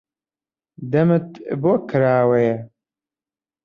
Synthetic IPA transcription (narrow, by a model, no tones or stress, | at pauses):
d̪ɐmɨt̪boːkʰɨɾaːwejɛ